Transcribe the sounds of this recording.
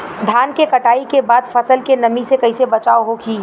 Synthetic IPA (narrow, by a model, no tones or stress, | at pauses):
d̪ʱaːnkekɐʈaːikebaːd̪fʰɐsəlkenɐmisekɐisebɐt͡ʃaːoɦokiː